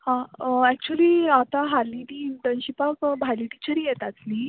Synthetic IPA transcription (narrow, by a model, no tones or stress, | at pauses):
hãəɛk̚t͡ɕuəliːat̪aɦaliniːɳʈənɕipakbʱajliʈit͡ɕəɾijet̪at̪ni